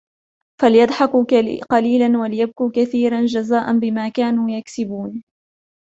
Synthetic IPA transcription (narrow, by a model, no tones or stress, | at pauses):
falɪjɑd̪ˤħɑkuqɑliːlanwalɪjab̚kuːkaθiːɾand͡ʒazaːʔanbɪmaːkaːnuːjaksɪbuːn